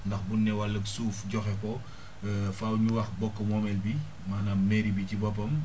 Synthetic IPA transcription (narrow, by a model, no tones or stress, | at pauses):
ndɐxbunːɛwɐlːəksuːfɟɔxɛkɔ | fawɲuwɐxbɔkːɐmɔmɛlbi | maːnamɛɾibicibɔpːɐm